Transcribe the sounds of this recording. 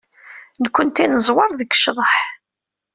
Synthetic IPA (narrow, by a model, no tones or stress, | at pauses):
nkʷːənt̪inəzˤwɑɾˤðəkːʃðˤəħ